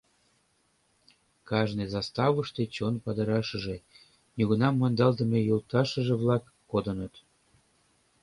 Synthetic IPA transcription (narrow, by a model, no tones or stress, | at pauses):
kɑʒnezɑst̪ɑβəʃt̪et͡ɕonpɑd̪əɾɑʃə̆ʒe | nuɣunɑmːɑnd̪ɑlt̪əmejult̪ɑʃəʒeβlɑkːod̪ənət̪